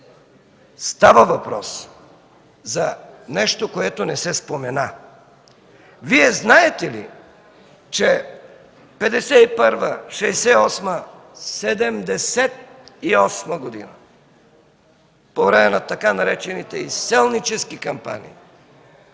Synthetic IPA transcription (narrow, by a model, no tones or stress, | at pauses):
st̪avəvɐpɾɔs | zanɛʃt̪okoɛt̪onɛsɛspomɛna | viɛznaɛt̪ɛlḭ | t͡ʃɛ | pɛd̪ɛsɛipəɾvəʃɛjsɛɔsmə | sɛd̪ɛmd̪ɛsɛt̪̚iɔsmɐɡod̪ḭnɐ | povɾɛmɛnat̪ɐkanɐɾɛt͡ʃɛnit̪ɛisɛlˠnit͡ʃɛskikɐmpa̰nḭː